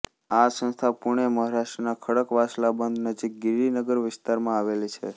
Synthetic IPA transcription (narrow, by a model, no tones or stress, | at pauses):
asə̃nst̪ʰapuɳ̃eməɦaɾaʃʈɾənakʰəɽəkʋaslabənd̪nəd͡ʒik̚ɡiɾinəɡəɾʋɪst̪aɾmãaʋelit͡ʃʰḛ